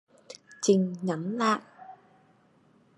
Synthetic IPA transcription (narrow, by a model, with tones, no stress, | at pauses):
t͡ɕï˨˩ŋ̟ɲa˨˦mla̰ː˧˨ʔ